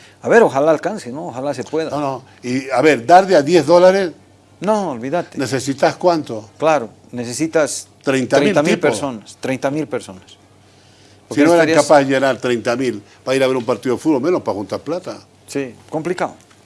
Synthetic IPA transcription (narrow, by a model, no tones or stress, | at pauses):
aβeɾoxalaːlkansenooxalasewe̞ðano | iaβeɾd̪aɾðeaðjezðolaɾes | noolβiðat̪enesesit̪askwant̪oklaɾo | nesesit̪ast̪ɾejnt̪aɾeilamilpeɾsonast̪ɾejnt̪amilpeɾso̞nas | poɾkienoeɾaɾikapaðeʝenaɾt̪ɾejnt̪amil | b̥aiɾaβeɾumpaɾt̪iðoefuðβolmenospaxunt̪aɾplat̪a | siko̞mplikaðo